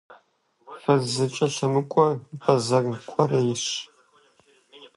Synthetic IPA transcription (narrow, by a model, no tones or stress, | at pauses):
fɐzzɨt͡ʃʼɐʃɐmɨkʷʼɔbɐzɐɡkʷʼɔrɐjɪɕ